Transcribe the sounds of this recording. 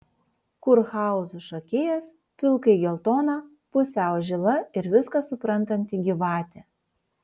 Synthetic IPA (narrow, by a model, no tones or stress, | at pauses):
kʊɾxɑˑʊsʊʃokʲeːjɛs | pʲɪlˠkɐɪɡʲɛlˠt̪oːnɑ | pʊsʲæˑʊʒʲɪlˠɐɪɾʋʲɪskɑsʊpɾɐnˑt̪ɐnʲt̪ʲɪɡʲɪʋɑːt̪ʲe